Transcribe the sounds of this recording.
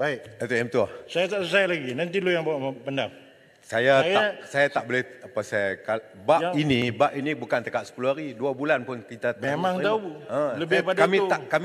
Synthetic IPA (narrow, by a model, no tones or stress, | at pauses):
baɪʔat̪uɛmt̪uasajat̪aʔsusajlaɡinant̪̬ilujaŋbawaʔəpəndam | sajaasajat̪aʔbolɛhapasaka | bainĩbaʔinĩbukant̪əkat̪̚sə̥puluɦaɾiduabulanpʊnkit̪amemãŋt̪auə̃ləɪpadamĩt̪akam